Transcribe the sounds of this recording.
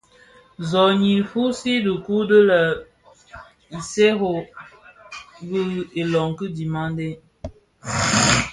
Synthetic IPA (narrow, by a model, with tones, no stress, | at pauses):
zɔ˨ɲi˨fu˦si˦də˨ku˦də˦lə˨ | n̩˨se˦ɦo˨ | bə˦e˨lɔ˨ŋ˨kə˦di˨ma˦n˦de˦